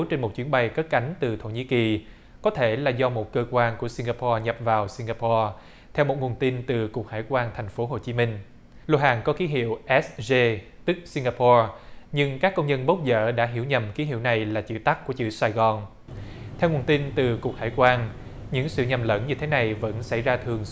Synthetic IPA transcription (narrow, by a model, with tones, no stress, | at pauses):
t͡ɕe˧nmo˨˩t̚t͡ɕwi˨˦ənɓa˧jkə˦˥t̚ka˨˦jŋ̟t̪ɨ˨˩t̪ʰo˧˩ɲḭ˧˥ki˨˩ | kɔ˨˦t̪ʰe˧˩laː˨˩zɔ˧mo˨˩t̚kəː˧kwaː˧nku˧˩əsi˧ŋɣaː˧pʰɔ˧ɲə˨˩p̚vaː˨˩wsi˧ŋɡaː˧pʰɔ˧ | t̪ʰɛ˧wmo˨˩t̚ŋu˨˩ənt̪i˧nt̪ɨ˨˩ku˨˩ək̚ha̰ː˧˩jkwaː˧nt̪ʰɛ˨˩jŋ̟fo˨˦ɦo˨˩t͡ɕi˨˦mï˧ŋ̟ | lo˧ɦaː˨˩nkɔ˨˦ki˨˦ɦḭ˧˨əwʔɛ˦˥sze˧ | t̪ɨ˦˥k̚si˧ŋɡaː˧pɔ˧ɲɨ˧ŋkaː˦˥kːə˧wŋ͡mzə˧nɓə˦˥k͡p̚zə̰ː˧˨ɗa̰ː˧˥ɦi˧˩əwɲə˨˩mki˨˦ɦḭ˧˨wna˨˩jlaː˨˩t͡ɕɨ̰˧˥t̪a˦˥k̚ku˧˩ət͡ɕɨ̰˧˩saː˧jɣɔ˨˩n | t̪ʰɛ˧wŋu˨˩ənt̪i˧nt̪ɨ˨˩ku˨˩ək̚ha̰ː˧˩jkwaː˧n | ɲɨ̰˧˥ŋsɨ̰˧˨ɲə˨˩mlə̰˧˥nɲɨ˧t̪ʰe˨˦na˨˩jvə̰˧˥nsa˧˩jzaː˧t̪ʰɨ˨˩əŋ